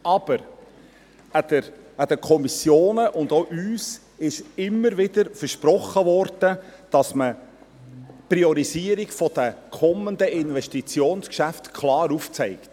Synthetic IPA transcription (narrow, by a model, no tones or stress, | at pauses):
ɑb̥əɾ | ædəæd̥̪əkʰɔmisjoːnəʔʊndoʔyːs | ɪʃɪmːəɾvɪdəɾfəɾʃpɾɔχːəvɔɾd̥əd̥ɑsmə | pɾiɔɾisiːəɾiɡfɔd̥əkʰɔmənd̪əɪnvɛʃtit͡sjoːnskʃæft̪kʰlɑːɾuft͡sɛɪkt